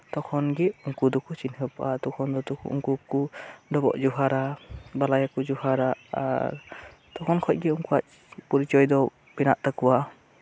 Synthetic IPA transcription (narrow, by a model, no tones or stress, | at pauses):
t̪ɔkʰɔnɡɛuŋkud̪ɔkʰut͡ʃinɛpa̰t̪ɔkʰɔnd̪ɔt̪ɔkʰṵŋkup̚kudɔbɔ̰ʔd͡ʒuɦaɾabalajakud͡ʒuhaɾaa̰ɾ | t̪ɔkʰɔnkʰɔc̚ɡɛuŋkuat | pɔɾit͡ʃɔjd̪ɔ | binaʔt̪akuwa